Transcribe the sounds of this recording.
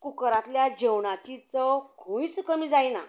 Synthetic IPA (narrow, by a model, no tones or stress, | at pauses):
kukəɾãt̪ljad͡ʑewɳãt̪it͡sɔkʰõĩsukəmid͡zajna̰